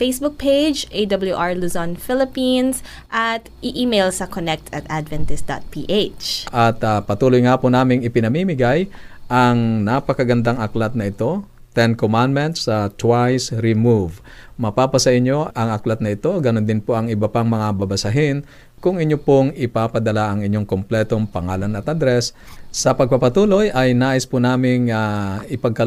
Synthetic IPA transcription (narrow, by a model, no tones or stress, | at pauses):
fejsbuk̚pʰejd͡ʒʔejd̪ɐbɐlˠjuʔaɹluzɔnfɪlɪpĩns | ʔɐt̪ʔɪʔiːmejlsɐkonɛk̚t̪ʰɐt̪ʔad̪vɛnt̪ɛs̚d̪a̰t̪̚piːʔet͡ʃʔɐt̪apɐt̪uːlojŋaːpʊnaːmɪŋɪpɪnɐmimɪɡajʔɐŋnapɐkɐɡɐnd̪aŋɐklat̪̚nɐɪt̪o̞ | t̪ɛnkomand̪̚mɛnt̪sːɐt̪wajsɾɪmuv | mɐpaːpɐsɐʔɪɲːo̞ʔɐŋɐklat̪̚nɐɪt̪o̞ɡɐnond̪ɪnpoʔɐŋɪbɐpaŋmɐŋabɐbɐsɐɦɪn | kʊŋɪɲːopoŋɪpapɐd̪ɐlaʔɐŋɪɲːoŋkomplɛt̪o̞ŋpɐŋaːlɐnɐt̪ʔɐd̪ɾɛsːɐpɐɡ̚papɐt̪uːlo̞jʔɐjnaːʔɪspʊnaːmɪŋaɪpɐɡ̚kɐ